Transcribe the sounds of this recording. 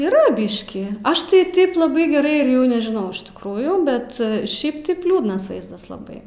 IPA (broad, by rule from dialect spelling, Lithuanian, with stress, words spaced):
iːˈrɐ ˈbʲiːʃʲkʲiː ˈɐʃ tɐɪ ˈtɐɪp lˠɐˈbɐɪ ɡʲɛˈrɐɪ ɪr ˈjɛʊ nʲɛʒʲɪˈnɐʊ ɪʃ tʲɪkˈruːjuː ˈbʲɛt ˈʃʲɛɪp tɐɪp ˈlʲuːdnɐs ˈʋɐɪzdɐs lˠɐˈbɐɪ